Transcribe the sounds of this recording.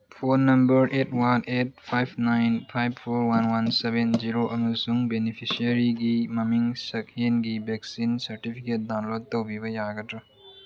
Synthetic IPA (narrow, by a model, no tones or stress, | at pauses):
pʰonɐmbɐɾetʰwanet̚pʰajbʰnajnpʰajbpʰoɾwanwansebenziɾoʔɐmɐsuŋbenipʰisiɐɾiɡimɐmiŋsɐk̚enɡibɛksinsɐɾʈipʰiket̚daw̃lod̚towbibɐjaɡɐtɾɐ